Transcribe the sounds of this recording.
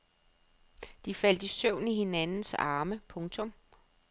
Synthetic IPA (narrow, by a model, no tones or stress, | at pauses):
d̥ifæl̰d̥isœʊ̰nihe̝nænn̩sɑ̈ːməpʰɔ̽ŋt͡sʰɔ̽m